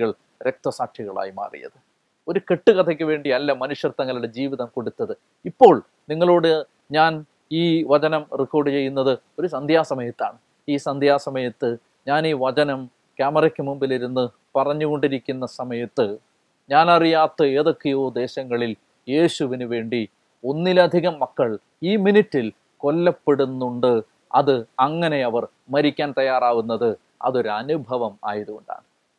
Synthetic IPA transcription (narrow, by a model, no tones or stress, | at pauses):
ɣɐɭ | ɾe̞k̚t̪ɐsaːkʂiɣɐɭa̰ːjima̰ːrḭjɐ̰ðɨ | o̞ɾuke̞ʈːɨkɐt̪ʰɐk̬ʲːɨʋe̞ːɳɖiɐlːɐmɐnuʂjɐrt̪ːɐŋːɐlɭuɽe̞d͡ʑiːʋiðɐmko̞ɽut̪ːɐðɨ | ipːo̞ːɭ | niŋːɐɭoːɽɨ | ɲaːn | iːʋɐt͡ɕɐnɐmriko̞ːɽɨt͡ɕe̞jːunːɐðɨo̞ɾusɐnd̪ʱjaːsɐmɐjɐt̪ːa̰ːɳɨ | iːsɐnd̪ʱjaːsɐmɐjɐt̪ːɨ | ɲaːniːʋɐt͡ɕɐnɐm | kʲaːmɐrɐkʲːɨmumbiliɾunːɨ | pɐrɐɲːuɣo̞ɳɖiɾikʲːunːɐsɐmɐjɐt̪ːɨ | ɲaːnɐrijaːt̪ːɨe̞ːðo̞kːejoːd̪e̞ːɕɐŋːɐɭil | je̞ːɕuʋinuʋe̞ːɳɖi | o̞nːilɐd̪ʱiɣɐmːɐkːɐɭ | iːminitːil | ko̞lːɐpːe̞ɽunːuɳɖɨ | ɐ̰ðɨɐŋːɐne̞ɐʋɐr | mɐɾikʲːaːnt̪ɐjaːraːɣunːɐðɨ | ɐ̰ðo̞ɾuɐnubʱɐʋɐma̰ːjɐðuɣoɳɖa̰ːɳɨ